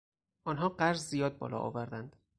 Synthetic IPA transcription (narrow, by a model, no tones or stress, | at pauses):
ʔɒːnɦɒːɢæɾzzijɒːd̪̚bɒ̰ːlɒ̰ʔɒ̰ːvæɾd̪ænd̪̥